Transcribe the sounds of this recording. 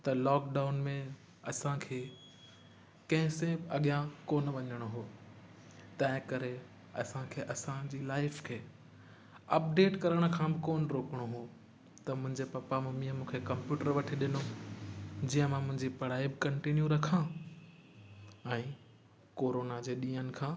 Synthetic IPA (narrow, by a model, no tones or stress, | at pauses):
t̪ɐlɔːkɖaːʊnmẽ | ɐsãkʰeː | kɐ̃ɦɪ̃sebɪɐɠijãkoːnʋɐɲəɽ̃oɦoː | t̪ɐ̃ɦɪ̃kɐɾe | ɐ̰sãkʰeːʔɐsãd͡ʑiːlaːɪfkʰeː | ɐp̚ɖeːʈkɐɾəɽ̃ə̆kʰãbɪkoːnɾoːkəɽ̃oɦo | t̪ɐmʊ̃ɦɪ̃ɲd͡ʑepɐpamẽmĩːə̃mũːkʰekɐ̃mpjuːʈəɾʋɐʈʰiɗɪno | d͡ʑiːə̃mãmʊ̃ɦɪ̃ɲd͡ʑipɐɽ̤aːibɪkɐ̃ɳʈinjũɾɐkʰã | ɛ̃ː | koːɾoːnad͡ʑeːɗĩːənɪ̆kʰãː